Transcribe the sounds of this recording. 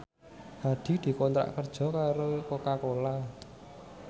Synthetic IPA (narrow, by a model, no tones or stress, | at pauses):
had̪̥i̤d̪̥i̤kɔnt̪ɾa̰ʔkərd̥ʒ̥ɔ̤kaɾokokakola